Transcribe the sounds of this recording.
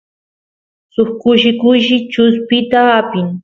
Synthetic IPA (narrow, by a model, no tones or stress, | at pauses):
sʊχkʊʃɪkʊjʃɪt͡ʃʊspɪt̪aːpɪŋ